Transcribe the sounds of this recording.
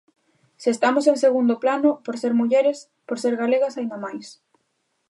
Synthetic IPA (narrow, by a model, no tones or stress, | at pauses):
sest̪amosẽŋseɣund̪ʊplanʊpoɾseɾmuʎeɾes | poɾseɾɣaleɣɐsaĩnd̪amajs